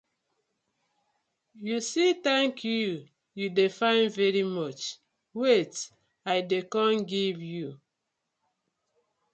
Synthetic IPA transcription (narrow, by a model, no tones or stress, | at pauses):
jusitɛ̃ŋkʰju | judefãɪ̃nvɛɹimɔt͡ʃ | wet | aɪdekɔ̃nɡivju